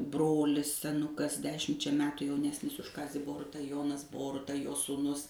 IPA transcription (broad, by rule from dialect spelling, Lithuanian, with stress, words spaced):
ˈbroːlʲɪs sʲɛˈnʊkɐs ˈdʲæːʃʲɪmʲt͡ʃʲɛ ˈmʲæːtʊ jɛʊˈnʲæːsʲnʲɪs ʊʃ ˈkɑːzʲiː ˈboːrʊtɐ ˈjoːnɐs ˈboːrʊtɐ joː suːˈnʊs